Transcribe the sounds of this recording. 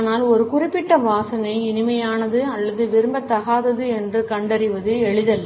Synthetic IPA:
naːlɔɾɯkʊrɪpːɪʈːɐmʋaːsɐnɐɪɪnɪmɐjaːnɐðɯɐlːɐðɯʋɪɾɯmbɐt̪ːɐɣaːðɐðɯɛndrɯkɐɳɖɐɾɪʋɐðɯɛɭɪðɐlː

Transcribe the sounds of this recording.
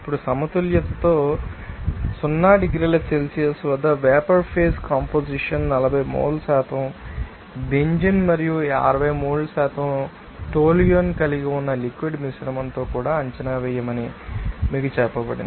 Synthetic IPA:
ipːuɽusɐmɐt̪uljɐt̪ɐt̪oː | sunːaːɖiɡɾiːlɐselsijɐsʋɐd̪ːɐʋɛːpɐɾpʰeːskaːmpoːd͡ʒiʂɐnnɐlɐbʱɐjmṵːɽlusaːt̪ʰɐm | beɲd͡ʒɐnmɐɾijua̰ːɾɐʋɐjmuːɽlːɐsaːt̪ɐm | ʈoːlijonkɐliɡiunːɐlikʋiɖmisɾɐmɐnt̪oːkuːɽaːɐɲt͡ʃɐnaːʋɛːjɐmɐnimiːkut͡ʃɛːpːɐbɐɽḭn

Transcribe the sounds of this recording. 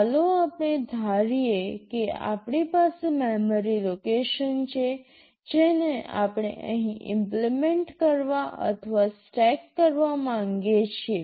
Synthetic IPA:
loapɳ̃ed̪ʱaɾijekea̰pɽipasememəɾilokeʃənt͡ʃʰe | d͡ʒenea̰pɽ̃ḛʔəɦĩɪ̰mplimeɳʈkəɾʋaʔə̰t̪ʰʋasʈɛkːəɾʋamãŋɡet͡ʃʰe

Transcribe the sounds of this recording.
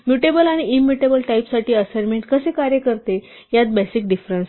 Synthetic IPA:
mjuʈebəlaɽ̃iimːiʈebəlʈajpsaʈiːəsaɾmeɳʈkəsekaɾjəkəɾt̪e | jat̪̚bɛsik̚ɖifɾəns

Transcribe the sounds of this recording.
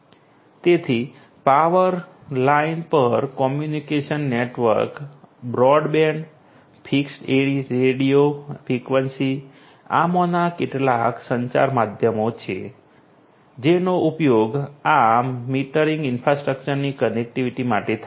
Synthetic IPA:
t̪et̪ʰi | paʋəɾlainpəɾkɔmjunikeʃənːeʈʋə̰ɾkbɾɔɖbeɳɖ | pʰiksʈeiɾeɽiofʰɾikʋənsi | a̰monakeʈlaksəɲt͡ʃa̰ɾmad̪ʱjəmot͡ʃʰḛ | d͡ʒenoʔupjoɡamiʈəɾiŋɡɪnfɾasʈɾək̚t͡ʃəɾnikənek̚ʈiʋiʈimaʈet̪ʰa

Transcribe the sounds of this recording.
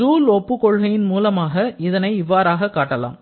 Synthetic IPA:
uːlɔpːɯkɔɻɣɐjɪnmuːlɐmaːɣɐɪðɐnɐɪɪʋːaːɾaːɣɐkːaːʈːɐla̰ːm

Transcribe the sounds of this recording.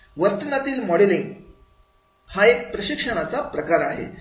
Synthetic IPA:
ʋəɾt̪nat̪iːlmɔɽeliŋɡ | haek̚pɾəɕikʂəɽ̃at͡sapɾəkaɾaɦḛ

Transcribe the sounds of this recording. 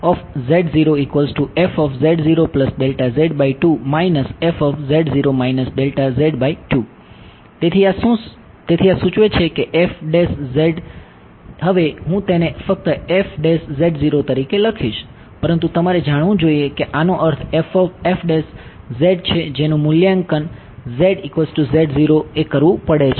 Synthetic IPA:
ɔfzeɖziɾoikʋəlzʈuefɔfzeɖziɾopləsɖelʈazeɖbaiʈumainəsefɔfzeɖziɾomainəsɖelʈazeɖbaiʈu | t̪et̪ʰiasũ | t̪et̪ʰiasũt͡ʃʋet͡ʃʰekeʔefɖeszeɖ | ɦəʋeɦũt̪enefək̚t̪əefɖeszeɖziɾot̪əɾikeləkʰiʃ | pəɾənt̪ut̪əmaɾed͡ʒaɽʋũd͡ʒoiekeʔanõʔəɾt̪ʰefɔefɖes | zeɖ̚t͡ʃʰed͡ʒenũmʊljaŋkən | zeɖikʋesʈuzeɖziɾoekəɾʋũpəɽet͡ʃʰe

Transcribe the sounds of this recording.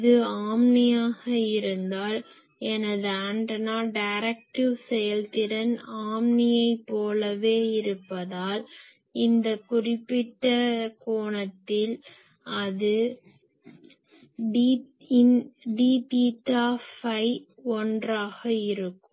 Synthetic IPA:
ðɯaːmnɪjaːɣɐɪɾɯnd̪aːl | ɛnɐðɯɐɳɖɐnaːɖɐɪɾɐk̚ʈɪʋsɛjɐlt̪ɪɾɐnaːmnɪjɐɪpːoːlɐʋeːɪɾɯpːɐðaːl | ɪnd̪ɐkʊrɪpːɪʈːɐkoːɳɐt̪ːɪl | ɐðɯ | ɖi | ɪnɖiːʈiːʈaːfɐɪɔndraːɣɐɪɾɯkːɯm

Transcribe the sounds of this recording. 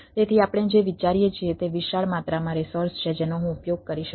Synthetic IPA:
t̪et̪ʰiapɽ̃ed͡ʒeʋit͡ʃaɾijet͡ʃʰiet̪eʋiʃaɭmat̪ɾamãɾisoɾst͡ʃʰed͡ʒenoɦũupjoɡ̚kəɾiʃə

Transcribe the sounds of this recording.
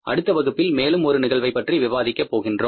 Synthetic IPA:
ʔɐ̰ɽɯt̪ːɐʋɐɣɯpːɪlmeːlɯmɔɾɯnɪɣɐɭʋɐɪpːɐʈriʋɪʋaːðɪkːɐpːoːɣɪndroː

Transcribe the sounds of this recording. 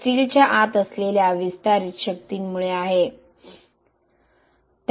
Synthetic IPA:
iːlt͡ɕjaʔat̪əsleljaʋist̪aɾit̪ɕək̚t̪iːnmuɭeaɦe | t̪

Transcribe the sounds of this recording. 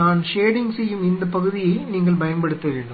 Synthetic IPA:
aːnʃeːɽɪŋsɛjːɯmɪnd̪ɐpɐɣɯðɪjɐɪniːŋɡɐɭbɐjɐmbɐɽɯt̪ːɐʋeːɳɖɯ

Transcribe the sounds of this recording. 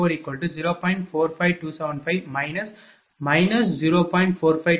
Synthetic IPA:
oːɾikːɔlʈːud͡ʒiɾoːpɔ̃ɪ̃ɳʈfoːɾfaɪʋʈuːsɐʊʋə̃ɳɖfaɪʋmaɪnɐs | mɐɪnɐsd͡ʒiɾoːpɔ̃ːɪ̃ɳʈfoːɾfaɪ

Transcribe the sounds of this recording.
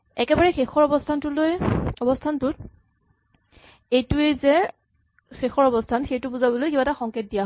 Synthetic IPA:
ɛkɛbaɹɛxexɔɹɔbɔstʰantʊlojɔbɔstʰantʊt | ejtʊezɛ | xexɔɹɔbɔstʰanxejtʊbuzabɔlojkibataxɔŋket̚dijaɦ

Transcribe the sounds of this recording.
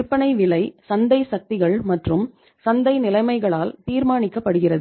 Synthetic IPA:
ɾpːɐɳɐɪʋɪlɐɪsɐnd̪ɐɪsɐk̚t̪ɪɣɐɭmɐʈrɯm | sɐnd̪ɐɪnɪlɐɪmɐɪɣɐɭaːlt̪iːɾmaːnɪkːɐpːɐɽɯɣɪrɐðɯ

